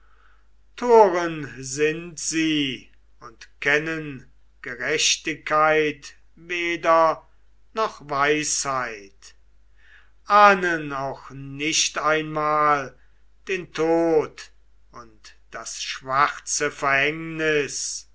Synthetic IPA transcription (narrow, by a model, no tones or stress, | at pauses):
tʰoːʁənzɪntz̥iː | ʊntkʰɛnən | ɡ̥əʁɛʃtɪkːaɪt | veːdɐ | nɔχvaɪshaɪt | ʔaːnənaʊxnɪʃtaɪnmaːl | d̥eːntʰoːt | ʊntd̥asʃv̥aχt͡səfɛɐhɛŋnɪs